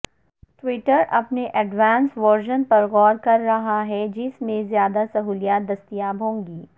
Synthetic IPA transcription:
ʈʋɪʈəɾʔɐpneʔɐɖʋãːnsʋɔɾd͡ʒənpɐɾɣɔːɾkɐɾːɐɦaɦɛd͡ʒɪsmẽzjaːd̪asɐɦuːlijaːt̪̚d̪ɐst̪ijaːbʱɦõːŋɡiː

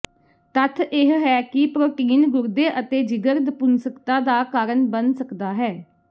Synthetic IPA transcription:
t̪ət̪ʰɪɦɦɛːkɪpɾoːʈiːnɡʊɾd̪eːʔət̪eːd͡ʒɪɡəɾd̪əpʊnsəkt̪aːd̪aːkaːɾənbənsəkd̪aːɦɛː

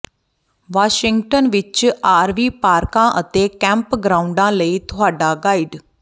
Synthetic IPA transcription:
ʋaːʃɪŋɡʈənʋɪt͡ʃaːɾʋiːpaːɾkãːʔət̪eːkɛ̃ːmpɡɾaːʊɳɖãːləiːt̪ʊɦaːɖaːɡaːiːɖ

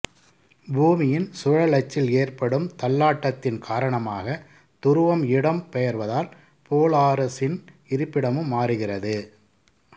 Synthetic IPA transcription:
buːmɪjɪnsʊɻɐlɐt͡ʃːɪleːrpɐɽɯmt̪ɐlːaːʈːɐt̪ːɪnkʰaːɾɐɳɐmaːɣɐ | t̪ʊɾɯʋɐmɪɽɐmpɛjɐɾʋɐðaːl | poːlaːɾɐsɪn | ɪɾɯpːɪɽɐmɯmːaːɾɯɣɪrɐðɯ

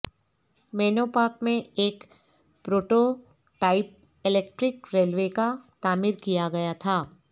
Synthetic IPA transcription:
mɛːnoːpaːkmẽeːk | pɾoːʈo | ʈaːɪp̚ | ɪleːk̚ʈɾɪkɾeːlʋekat̪aːmɪɾkijaɡɐjat̪ʰaː

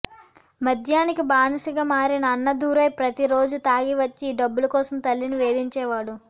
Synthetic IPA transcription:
mɐd̪ʱjaːnikibaːnɐsiɡaːmaːɾinɐːnːɐd̪uːɾɐjpɾɐt̪iɾo̞ːd͡ʒut̪aːɡiʋɐt͡ʃːiːɖɐbːulɐkɔːsɐmt̪ɐlːinuʋe̞ːd̪iɲt͡ʃɛːʋaːɽu

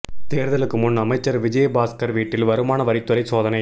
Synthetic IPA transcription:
t̪eːɾðɐlɯkːɯmʊnɐmɐɪt͡ʃːɐɾʋɪd͡ʒɐjɐbaːskɐɾʋiːʈːɪlʋɐɾɯmaːnɐʋɐɾɪt̪ːɯɾɐɪsoːðɐnɐɪ

